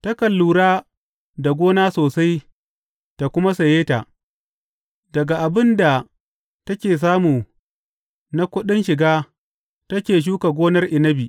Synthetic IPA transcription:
ta˦kɐ˨lːuː˨ɽaː˦ | da˨ɡʷoː˦naː˦soː˨sa˦j | ta˨kʷʊ˦ma˦sɐ˨jeː˦ta˨ʔ | dɐ˨ɡa˨ʔa˨bɪ˦nda˨ | tɐ˦kʲeː˨s̬aː˦muː˨ | na˦kʷʊ˦ɗɪ˦nʃɪ˨ɡaː˦ | tɐ˦kʲeː˨ʃ̬uː˦ka˨ɡʷoː˦nɐ˦rʔɪ˨nɐ˦biː˨ʔ

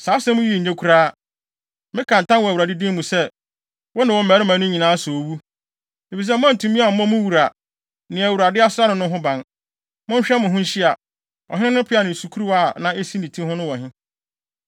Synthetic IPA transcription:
sa˨˦sɛ̃˦mʊ̃˦ji˦˨ɲẽ˦kʰu˦ɾaː˦ | mɪ̃˦kʰã˨ntʰã˦nwɔ˨æ˨u˨ɾa˨dɪ˦dĩ˦mũ˨sɛ˦ | wɔ˦nã˨wɔ̃˦m̩˦mæ˨ɾɪ˦mã˨˦nʊ̃˦ɲĩ˨nãː˨˦so˨o˨wu˦ | ni˨fi˨s̬ɛ˦mʊ̃˦ã˦n̩˨tʰũ˨mĩ˦a˨m̩˦mɔ̃˦mʊ̃˦wu˨ɾa˨ | nɪ̃˨æ˨wu˨ɾa˨dɪ˦a˦sʊ˦ɾa˦nɪ̃˨nʊ̃˦ɦʊ̃˦bã˨n | mʊ̃˦ɲ̩˦ɕᶣɛ˦mʊ̃˨ɦʊ̃˦n˦ɕi˦a˨ | ɔ̰˨hɪ˦nɪ̃˦ʊ̃˦pʰɪ˦a˨nɪ̃˨su˨kʰu˦ɾu˦wa˨nã˨e˦si˦nĩ˨tʰĩ˦hʊ̃˦nʊ̃˦wɔ̃˨ɦɪ̃˦

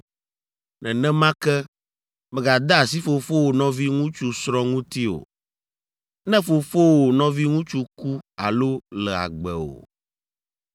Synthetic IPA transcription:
nɛ̃˨nɛ̃˦mã˦kɛ˦ | mɛ̃˨ɡa˨d̪a˦˨si˦fo˨fo˦wo˨nɔ̃˦vi˦ŋũ˦t͡ʃu˦sɾɔ̃˦ŋũ˦t̪i˦o̰˨ | nɛ̃˦fo˨fo˦wo˨nɔ̃˦vi˦ŋũ˦t͡ʃu˦ku˦a̰˨lo˦lɛ˨a̰˨ɡ͡bɛ̰˨o̰˨

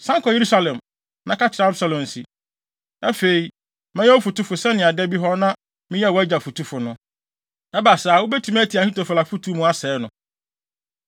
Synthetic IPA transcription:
sã˦ŋkʰɔ˨je˨ɾu˦sa˦lɛ̃˨m | nã˦kʰa˦t͡ɕʰɪ˨ɾa˨˦sa˦lõ˨n̩˨si˨ | æ˦fe˨i˨ | mɛ̃˦jɛ˦o˦fu˨tu˦fʊ˨sɛ˦nɪ̃˨a˨dɛ˦bi˦ɦɔ˦nã˦ | mɪ̃˦jwɔ˨˦æ˦d͡ʑa˨fu˨tʰu˦fʊ˨nʊ̃˦ | ɛ˦ba˨saː˨wʊ˦bɛ˦tʰu˨m˦æ˦tʰi˨a˨hi˦tʰo˨fa˨la˨fu˦tʰu˦mũ˦a˦sɛ˨˦nʊ̃˨

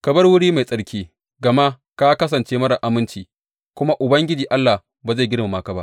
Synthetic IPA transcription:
kɐ˨bɐ˦rwʊ˦ɽiː˦ma˨jsʼɐ˨ɽkʲiː˦ | ɡɐ˨ma˦ | ka˦kɐ˦s̬ɐ˨nt͡ʃeː˦mɐ˦ɽɐ˨ʔa˨mɪ˦nt͡ʃiː˨ | kʷʊ˦ma˦ʔʊ˨bɐ˦ŋɡʲɪ˦d͡ʒiː˨ʔa˦lːa˨ | baː˨za˦˨ɡʲɪ˦ɽma˨ma˦ka˦ba̰˦ʔ

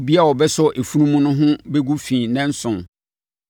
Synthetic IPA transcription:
bi˦a˦wɔ˨bɛ˦sʊ˦ʔe˨fu˦nũ˦mũ˦nʊ̃˦ɦʊ̃˦bɛ˦ɡu˦fĩː˨nɛ̃˦n̩˦sʊ̃˨n

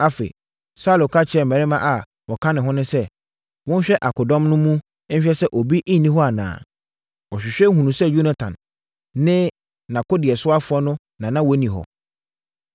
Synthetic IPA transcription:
a˦fḛ˨i˨ | sa˦˨lo˨kʰa˦t͡ɕʰɪ˨ɛ˦˨m̩˨ɛ̃˨ɾɪ˦mã̰˦ʔa˨ | wɔ˨kʰã˦nɪ̃˨ɦɔ̃˦nʊ̃˦sɛ˦ | wʊ̃˦n˦ɕᶣɛ˦ʔa˨kʰʊ˨dɔ̃˦mnʊ̃˦mũ˦ | ɕᶣɛ˦sɛ˦ʔo˨bi˦ʔĩ˦nĩ˦ɦɔ˦a˨nã̰ː˨ | wɔ˨ɕᶣɪ˨ɕᶣɛ˦ɦũ˨nũ˨sɛ˦ju˦na˨tʰã̰˨n | nɪ̃˦ | nã˨ko˦dɪ˨ɛ˨sʊ˦a˦fʊ˨˦ɔ˦nʊ̃˦ | nã˨nã˦wɔ˦nĩ˨ɦɔ̰˨

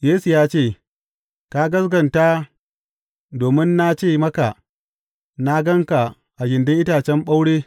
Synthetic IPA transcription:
jeː˦su˨jaː˦t͡ʃeː˦˨ | ka˦ɡɐ˦sɡɐ˨nta˦ | doː˨mɪ˦nːa˦t͡ʃeː˦˨mɐ˦ka˨ | na˦ɡɐ˦ŋka˨ | ʔa˨ɡɪ˨ndɪ˦ŋʔɪ˦taː˨t͡ʃɛ˦mɓa˦wɽeː˦

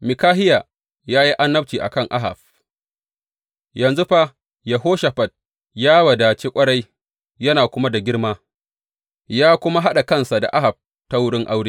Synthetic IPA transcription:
mɪ˨kaː˦ɦɪ˦ja˨ | jaː˦ji˦ʔa˦nːɐ˦p̚t͡ʃiː˨ʔa̰˨kɐ˦˨ŋʔa̰˦ɦa̰˨ɸ | jɐ˨nzu˦ɸa˦ | jɐ˨ɦoː˦ʃa˨ɸɐ˨t̚ | jaː˦wɐ˨daː˨t͡ʃeː˦kʷʼɐ˦ɽa˦j | jɐ˦naː˨kʷʊ˦ma˦da˨ɡʲɪ˦ɽmaː˦ | jaː˦kʷʊ˦ma˦ɦa˦ɗa˨kɐ˦˨nsa˨da̰˨ʔa˦ɦa˨b̚ | ta˦wʊ˦ɽɪ˦ŋʔa˦wɽiː˦

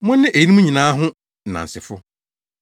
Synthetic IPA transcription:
mʊ̃˦nːɪ̃˦ʔe˨ji˦nĩ˦mũ˦ɲĩ˨nãː˨˦ɦʊ̃˦˨ | nã̰˨n̩˨sɪ˨fʊ˦

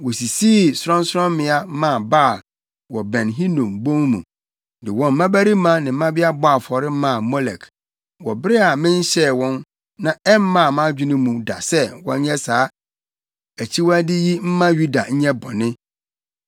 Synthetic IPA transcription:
wɔ˨si˨siː˦˨sʊ˦ɾɔ̃˦n˦sɾɔ̃˦m˦mɪ̃˨a˦mã˦˨ba˦˨l | wɔ˨bɛ̃˨nɦĩ˦nũ˨mbõ˦ŋmṵ̃˨ | dɪ˨wɔ̃˨m̩˦mã˦bæ˦ɾi˦mã˦nɪ̃˨m̩˦mã˦bɪ˦a˦bɔ˦a˨fɔ˨ɾɪ˦mã˦˨mɔ˦lɛ̰˨kʰ | wɔ˨bɪ˦ɾɪ˦a˨mɪ̃˦n˦ɕɛ˦˨wɔ̃˦n | nã˨ɛ˦mː˦ã˦˨mã˦d͡ʑᶣɪ˦nʊ̃˦mũ˨da̰˨sɛ˦wɔ̰̃˦ɲ˦ɲɛ̃˦saː˨˦ | æ˨t͡ɕʰi˦wæ˦dɪ˦ji˦m̩˦mã˦ɥu˦da˨ɲ̩˦ɲɛ̃˦bɔ˨nɪ̃˦

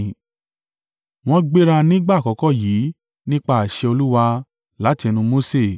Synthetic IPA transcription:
w̃ɔ̃˧˦ɡ͡be˦ɾa˧nĩ˦ɡ͡ba˦˨kɔ˨kɔ˦˨jiː˨˦ | nĩ˦k͡pa˦˨a˨ʃɛ˧o˧lu˦wa˧ | la˨˦ti˧ɛ˧nũ˧mo˨˦se˦˨

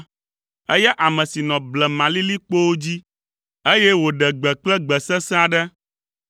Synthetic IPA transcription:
ɛ˦jɛ˦ʔa˨mɛ̃˨si˨nɔ̃˨blɛ˨mã˨li˦li˦k͡po˦wo˦d͡ʑi˦ | e˦jɛ˦wo˨ɖɛ˨ɡ͡bɛ˨k͡plɛ˦ɡ͡bɛ˨sɛ˦sɛ̃˦a˦ɖɛ˦

